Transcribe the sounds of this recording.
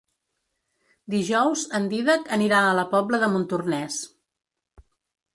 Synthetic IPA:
d̪iʒɔwzənd̪iðəkəniɾaələpɔbləðəmunt̪urnɛs

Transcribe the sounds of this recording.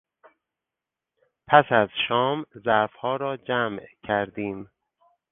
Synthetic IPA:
pʰæsæzʃɒːmzæfhɒːɾɒːd͡ʒæmcʰæɾd̪iːm

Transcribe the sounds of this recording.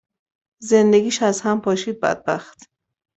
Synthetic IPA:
zend̪eɡʲiːʃæzhæmpʰɒːʃiːd̪̚bæ̰d̪̚bæxt̪

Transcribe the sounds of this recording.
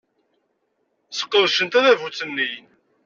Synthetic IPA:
sə̥qːəðʃənt̪æðævut͡sːənːij

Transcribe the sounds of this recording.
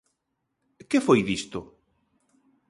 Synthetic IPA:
kefojðist̪ʊ

